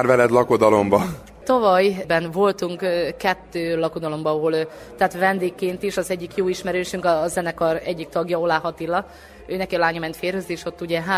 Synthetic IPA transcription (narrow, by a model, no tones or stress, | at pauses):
rvɛlɛd̪lɒko̞d̪ɒlo̞mbɒ | t̪ɒvɒjbɛnvo̞lt̪uŋkkɛt̪ːøːlɒkod̪ɒlo̞mbɒɒɦol | t̪ɛːt̪ʋɛnd̪eːkːeːnt̪iʃɒzɛɟːikjoːiʃmɛɾøːʃyŋkɒzɛnɛkɒrɛɟːik̚t̪ɒɡjɒo̞laːɦɒt̪ilːɒ | øːnɛkiɒlaːɲɒmɛnt̪feːrhøzeːʃo̞t̪ːuɟɛɦa